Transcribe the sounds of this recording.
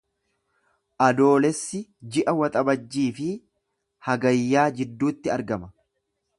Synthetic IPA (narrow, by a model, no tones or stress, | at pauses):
ʔɐd̪o̞ːlɛsːɪd͡ʒɪʔɐwɐt̪ʼɐbɐd͡ʒːiːfɪ | hɐɡɐjːaːd͡ʒɪd̪ːuːt̪ːɪɐɾɡɐmɐ